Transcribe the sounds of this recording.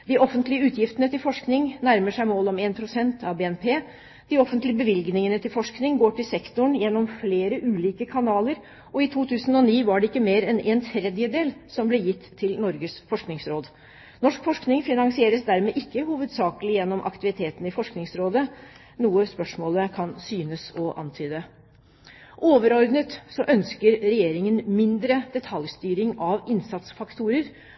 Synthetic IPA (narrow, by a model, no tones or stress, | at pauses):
d̪ɪʔɔfənt̪lɪəʉːt̪jɪft̪ənət̪ɪlfɔʂknɪŋnæɾməʂæɪmoːlɔmeːnpʰɾʊsɛnt̪ʰɑʋbeːɛnpʰeː | d̪̥ɪɔfənt̪lɪəbəʋɪlɡnɪŋənət̪ɪlfɔʂknɪŋɡoːʈʰɪlsɛkt̪ʊɳjɛnːɔmfleːɾəʔʉːliːkəkʰɑnɑːləɾ | ɔɪt̪ʰuːt̪ʰʉːsən̩ɔniːʋɑɖɛɪkːəmeːɾɛnɛːnt̪ʰɾɛd̪jəd̪eːlsɔmblɛjɪt̪ʰːɪlnɔɾɡəsfɔʂknɪŋsɾoːd̪ | nɔʂkfɔʂknɪŋfɪnɑŋsɪeːɾəsd̪æɾmeːʔɪkːəhuːʋəd̪sɑːkəlɪjɛnːɔmʔɑ̰kt̪ɪʋɪt̪ʰeːt̪n̩ɪfɔʂknɪŋsɾoːd̪ə | nuːəspœʂmoːləkʰɑnsyːnəsɔʔɑ̰nt̪ʰyːd̪ə | ʔoːʋəɾɔɾd̪nət̪sɔʔœnskəɾɾɛjeːɾɪŋənmɪnd̪ɾəd̪ɛt̪ʰɑljst̪yːɾɪŋɑʋɪnsɑt̪sfɑkt̪ʰuːɾəɾ